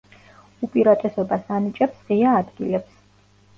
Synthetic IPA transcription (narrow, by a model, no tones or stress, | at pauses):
upʼiɾat̪ʼɛsɔbasanit͡ʃʼɛpsʁiaːd̪ɡilɛps